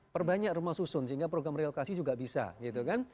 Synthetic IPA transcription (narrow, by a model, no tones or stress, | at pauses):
pərbaɲakrumahsusʊnsəɦiŋɡapɾoɡɾamrealokasid͡ʒuɡaʔbisa̰ɡit̪ukan